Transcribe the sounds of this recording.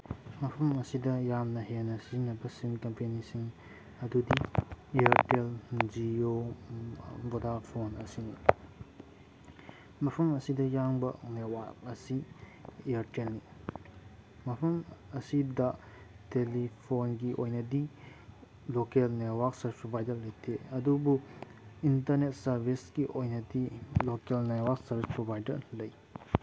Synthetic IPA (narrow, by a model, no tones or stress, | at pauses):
mɐpʰɐmɐsidɐjamnɐɦenːɐsizinːɐbɐsinkɐmpenisiŋ | ɐdudieɐɾteld͡ʒio | bodapʰonɐ̰sini | mɐpʰɐmɐsidɐjaŋbɐnewak̚ɐsi | eɐɾtelni | mɐpʰɐmɐsidɐ | telipʰonɡiʔojnɐdi | lokelnetwak̚sɐɾbispɾobajdɐɾlɐjtʰeɐdubuintɐɾnet̚sɐɾbʱisɡiʔojnɐdilokelnetwaɾk̚sɐɾbʱispɾobajdɐɾlɐj